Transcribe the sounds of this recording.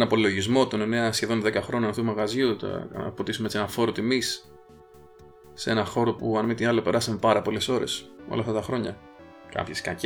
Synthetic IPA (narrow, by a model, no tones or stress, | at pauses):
nɐpo̞lo̞ʝizmo̞t̪o̞ne̞ne̞ɐsçe̞ðo̞nðe̞kɐxɾo̞nunɐθumɐɣɐzjut̪pot̪isumeet͡ssie̞nɐfo̞ɾot̪imis | e̞nɐxo̞ɾo̞puɐnmit̪iɐlope̞ɾɐsɐmepɐɾɐpo̞le̞so̞ɾe̞̰so̰lɐft̪at̪ɐxɾo̞ɲɐ | kɐ̰pçeskɐc